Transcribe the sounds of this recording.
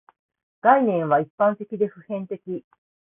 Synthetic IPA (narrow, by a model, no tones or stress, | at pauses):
ɡ̥ainẽ̞ɰ̃βaipːãnt̪e̞kʲid̪e̞ɸɯ̟hẽ̞nt̪e̞kʲi